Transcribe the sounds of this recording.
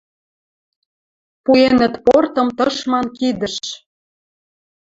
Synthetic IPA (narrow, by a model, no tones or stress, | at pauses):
puenə̆t̪port̪ɤ̆mt̪ɤʃmɑnkid̪ə̆ʃ